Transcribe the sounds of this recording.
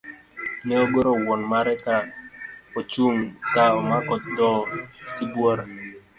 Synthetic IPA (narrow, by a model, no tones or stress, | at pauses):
nɛoɡoɾowɔnmaɾɛka | ot͡ʃuŋtaɔmakɔt̪̚d̪ɔtibwɔɾa